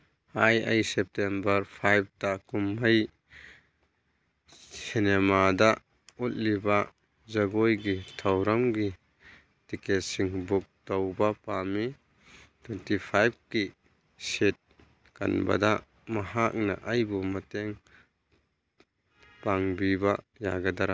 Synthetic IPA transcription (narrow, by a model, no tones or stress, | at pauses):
ajɐ̰jsep̚tembɐɾpʰajp̚takumɐj | sinemada | ut̚liba | zɐɡojɡitʰɐwɾɐmɡi | tiket̚siŋbuk̚tawbapami | tʰwentipʰajb̚ki | set̚ | ka̰nba̰da | mɐɦak̚na̰ʔɐjbumɐteŋ | paŋbiba | jaɡɐdaɾa